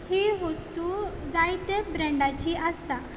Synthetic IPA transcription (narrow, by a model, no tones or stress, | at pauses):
hiɦost̪ud͡zajt̪ebɾəɳɖat͡ɕiːʔast̪a